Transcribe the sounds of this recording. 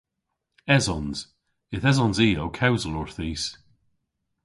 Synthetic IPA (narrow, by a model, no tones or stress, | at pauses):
ɛzɔnz̥ | ɪθɛzɔnziːowkʰawzəlɔɹθiːs